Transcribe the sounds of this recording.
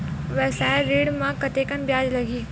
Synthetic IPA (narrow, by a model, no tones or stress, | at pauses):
ʋɛːsaɾiːɽmãkɐt̪eːkənbjaːd͡ʒlɐɡiː